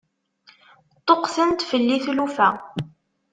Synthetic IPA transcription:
t̪ˤːoqθənt̪fəlːiθlufæ

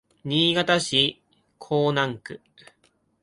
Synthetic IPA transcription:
ɲ̟iːɡat̪aɕi | kʰo̞ːnãŋkɯ̟

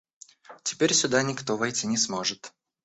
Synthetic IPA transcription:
tʲɪ̥pʲeɾʲsʲʊd̪anʲɪkt̪ovɐjtʲinʲɪsmo̞ʐɨt̪

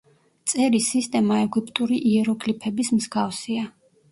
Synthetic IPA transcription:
t̪sʼɛɾisist̪ʼɛmaɛɡipʼt̪ʼuɾiʔiɛɾɔɡlipʰɛbismzɡafsia

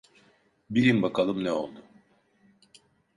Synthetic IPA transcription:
biɾimbakʰalˠɯmnɛo̞lˠd̪ʊ

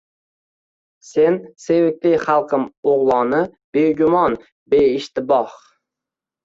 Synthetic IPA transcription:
sense̞wɪk̚ʲlɪjχalˠqʰɨmoʁlˠɒnɪ | b̥eɡʲʊmɒn | beɪʃt̪ɪbɒh

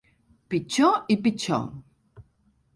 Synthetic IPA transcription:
pit͡ʃoipit͡ʃo̰

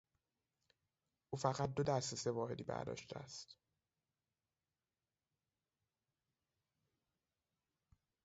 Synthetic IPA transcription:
ʔuːfæɣæt̪̚d̪o̞d̪æɾsese̞vɒːhe̞d̪iːbæ̰ɾd̪ɒ̰ːʃt̪eæ̰st̪

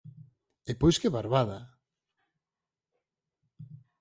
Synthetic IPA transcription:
epojskeβaɾβaða

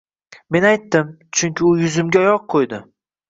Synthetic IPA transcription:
me̞najt̪ːɪm | t͡ʃʰʊŋkʲʰɪʊjʊzɪmɡʲaɒjɒq̚qʰojd̪ɪ

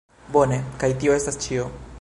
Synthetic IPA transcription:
bo̞ne̞kajtio̞e̞stast͡ʃio̞

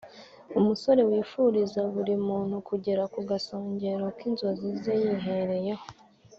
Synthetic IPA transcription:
umuso̞ɾe̞wiːfuɾizaβuɾimuːn̥hukʰuɟe̞ɾakuɡasoːɲɟe̞ɾo̞kinzazizejiɦe̞ɾe̞jaho

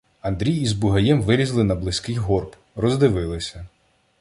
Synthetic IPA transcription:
ɐnd̪ɾʲijizbʊɦɐjɛmʋɪɾʲizlˠɪnɐblˠɪsʲkɪjɦɔrp | rɔzd̪ɪʋɪlˠɪsʲɐ

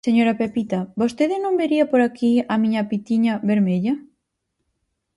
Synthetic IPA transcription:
seɲoɾɐpepit̪ɐbost̪eðɪnõŋbeɾiɐpoɾakiɐmiɲɐpit̪iɲɐβeɾmeʎɐ

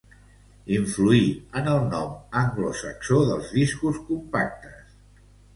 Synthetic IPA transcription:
iɱfluiənəlˠnɔməŋɡlusəksoðəlˠzðiskuskumpak̚t̪əs

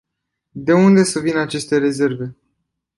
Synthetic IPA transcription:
d̪e̞und̪e̞səvinat͡ʃe̞st̪e̞ɾe̞ze̞rve̞

